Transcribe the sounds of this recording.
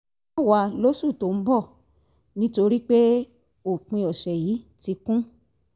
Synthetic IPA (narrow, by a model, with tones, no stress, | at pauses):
ɔ˦˨wa˧lo˦su˦˨to˨˦m̩˦bɔ˦˨ | nĩ˦to˧ɾi˦k͡pe˦ | o˦˨k͡pĩ˧ɔ˨ʃɛ˨ji˨˦ti˧kũ˦